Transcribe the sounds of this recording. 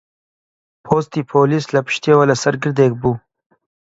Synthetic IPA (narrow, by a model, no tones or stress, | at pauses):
pʰoːst̪ipʰolislapɪ̥ʃt̪ewalasaɾɡəɾd̪eːk̚bu